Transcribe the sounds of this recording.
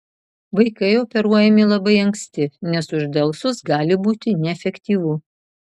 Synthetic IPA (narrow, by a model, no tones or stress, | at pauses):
ʋɐɪkɐɪopʲɛɾuɔjɛmʲɪlˠɐbɐɪɐŋksʲt̪ʲɪnʲɛsʊʒd̪ɐlˠsʊsɡɑːlʲɪbuːt̪ʲɪnʲɛɛfʲɛkʲt̪ʲiːʋʊ